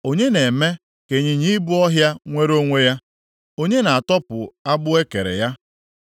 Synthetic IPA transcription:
o˦ɲe˦ne˨me˦ | ke˨ɲi˨ɲi˦bʊ˦ɔ˦ɦja˦ŋʷe˦ɾo˦ŋʷe˦ja˦ | o˦ɲe˦na˨a˨tɔ˦pʊ˨a˦bʊ˦e˦ke˨ɾḛ˨ja˦

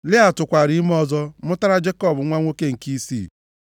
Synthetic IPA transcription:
lɪ˦a˨tʊ˨kʷa˨ɾi˦m˦ɔ˦zɔ˦mʊ˦ta˦ɾa˦d͡ʒe˦kɔ˦˨bʊ˨˦ŋʷa˦ŋʷo˦ke˦ŋ̩˨ki˦sḭː˦˨

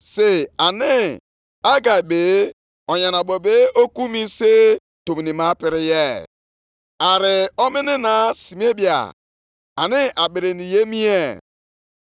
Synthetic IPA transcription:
se˦a˨nɪ˦ | a˦ɡa˨jbe˨ | ɔ˨ɲa˨na˨bɔ˨be˦o˦ku˦mi˦se˦ | to˨mi˨ni˨ma˦pɪ˨ɾɪ˦jɛ˦˨ | a˨ɾɪ˨ɔ˦mɪ˦nɪ˦na˨si˨m˦e˦bi˦˨a̰˨ | a˨nɪ˦ʔa˨ɓi˨ɾe˨ni˨je˦mi˦e˨

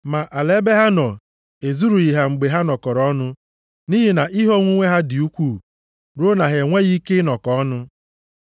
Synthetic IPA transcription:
ma˨ʔa˨le˦be˦ɦa˦nɔ˨ | e˨zu˦ɾu˨i˨ɦa˨ŋ͡m̩˨ɡ͡be˨ɦa˦nɔ˨kɔ˨ɾɔ˦nʊ˦ | ni˦ɦi˨na˨ʔi˦ɦɔ˦ŋʷu˦ŋʷe˦ɦa˦dɪ˨u˦kʷuː˦˨ | ɾo˦na˨ɦe˨ŋʷe˦ɣi˦ke˦nɔ˨kɔ˦nʊ˦

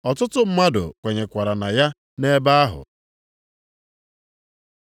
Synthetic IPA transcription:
ɔ˨tʊ˦tʊ˦m̩˦ma˦dʊ̰˨kʷe˨ɲe˨kʷa˨ɾa˨na˨ja˦ | ne˦ba˦a˦ɦʊ̰˨

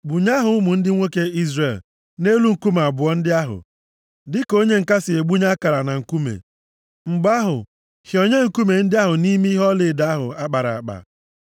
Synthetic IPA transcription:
ɡ͡bʊ˨ɲa˦ɦʊ˨ʊ˦mʊ˨n̩˦dɪ˦ŋʷo˦ke˦i˦zre˨l | ne˦lu˦ŋ̩˨ku˦ma˨bʊ˨ɔ˦n̩˦dɪ˦a˦ɦʊ̰˨ | dɪ˦ko˦ɲe˦ŋ̩˨ka˦sɪ˨e˨ɡ͡bu˦ɲa˦ka˨ɾa˨na˨ŋ̩˨ku˦mḛ˨ | ŋ͡m̩˨ɡ͡ba˦ɦʊ̰˨ | hjo˨ɲe˦ŋ̩˨ku˦me˨n̩˦dɪ˦a˦ɦʊ˨ni˦m˦ɦɔ˦lɪ˨da˨a˦ɦʊ̰˨a˦k͡pa˨ɾa̰˨a˨k͡pa̰˨

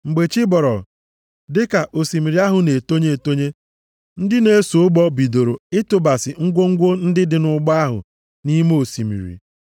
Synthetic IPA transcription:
ŋ͡m̩˨ɡ͡be˨t͡ʃi˦bɔ˨ɾɔ̰˨ | dɪ˦ka˨ʔo˨si˨mi˨ɾi˨a˦ɦʊ˨ne˨to˦ɲe˦˨to˦ɲe˦ | n̩˦dɪ˦ne˦e˦so˨ʊ˦ɡ͡bɔ˦bi˨do˨ɾo˨ɪ˦tʊ˨ba˨sɪ˨ŋ̩˦ɡʷo˦ŋ̩˦ɡʷo˦n̩˦dɪ˦dɪ˨nʊ˦ɡ͡ba˦ɦʊ̰˨ | ni˦mo˨si˨mḭ˨ɾḭ˨

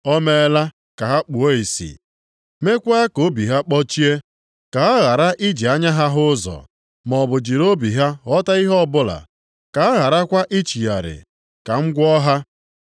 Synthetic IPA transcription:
ɔ˦me˦la˦ | ka˨ɦa˦k͡pu˨o˦i˨sḭ˨ | me˦kʷa˦ko˨˦bi˨ɦa˦k͡pɔ˦t͡ʃi˦e˦ | ka˨a˦ɣa˨ɾa˦ʔi˦d͡ʒi˨a˦ɲa˦ɦa˦ɦʊ˦zɔ̰˨ | mɔ˨bʊ˨d͡ʒi˨ɾo˦bi˨ɦa˦ɔ˦ta˦i˦ɦɔ˦˨bʊ˦la̰˨ | ka˨a˦ɣa˨ɾa˦kʷa˦ʔi˦t͡ʃi˨ja˨ɾɪ̰˨ | ka˨ŋ̩˦ɡʷɔ˦ɦa˦

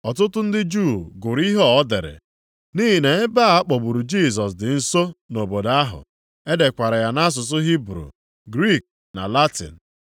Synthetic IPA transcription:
ɔ˨tʊ˦tʊ˦n̩˦dɪ˦d͡ʒu˦˨ɡʊ˨ɾi˦ɦɔ˦ɔ˦dɪ˨ɾɪ̰˨ | ni˦ɦi˨ne˨e˦ba˦˨a˦k͡pɔ˨bu˨ɾu˨d͡ʒi˦˨s̬ɔ˨s̬dɪ˨n̩˦so˦no˨bo˨da˦ɦʊ̰˨ | e˦de˨kʷa˨ɾa˨ja˨na˦s̬ʊ˨s̬ʊ˦ɦi˦bɾṵ˨ | ɡɾi˦˨k̚ | na̰˨la˦tɪ̰˨n̩˨

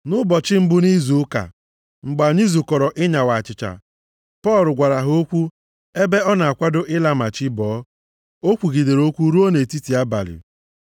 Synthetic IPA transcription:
nʊ˦bɔ˨t͡ʃɪ˦m̩˦bʊ˦ni˦zu˨˦ka̰˨ | ŋ͡m̩˨ɡ͡ba˨ɲi˦zu˨kɔ˨ɾɔ˨ʔɪ˦ɲa˨wa˨t͡ʃɪ˨t͡ʃa̰˨ | pɔ˦˨lʊ˨ɡʷa˨ɾa˨ɦo˦kʷu˦ | e˦be˦ɔ˦na˨a˨kʷa˦do˦ʔɪ˦la˦ma˨t͡ʃɪ˦bɔː˨˦ | o˦kʷu˨ɡi˨de˨ɾo˦kʷu˦ɾu˦o˦ne˨ti˦ti˨a˦ba̰˨lɪ̰˨

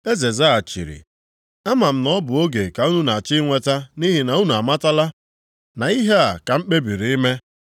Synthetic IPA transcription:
e˦ze˨za˦a˨t͡ʃḭ˨ɾḭ˨ | a˦ma˨m̩˦nɔ˦bʊ˨o˦ɡe˨ka˨u˦nu˦na˨t͡ʃi˦ŋʷe˦ta˦ni˦ɦi˨na˨u˦nu˨a˨ma˦ta˦la˦ | na˨i˦ɦe˦a˨ka˨m̩˦k͡pe˦bi˨ɾi˨i˦me˦

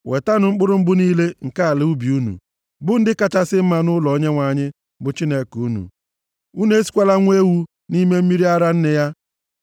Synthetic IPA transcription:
we˨ta˦nʊ˨ŋ͡m̩˦k͡pʊ˦ɾʊ˦m̩˦bʊ˦niː˦le˦ŋ̩˨ka˦a˨lɪ˦u˦bi˨u˦nṵ˨ | bʊ˦n̩˦dɪ˦ka˦t͡ʃa˦sɪ˦m̩˦ma˨nʊ˦lɔ˨˦ɲe˦ŋʷa˨ɲɪ˦ | bʊ˨t͡ʃi˦ne˨ku˦nṵ˨ | u˦ne˦si̥˦kʷa˦la˦ŋʷ˦e˦wu˦ | ni˦me˦m̩˦mi˦ɾi˦a˦ɾa˦n̩˦nɪ˦ja˦

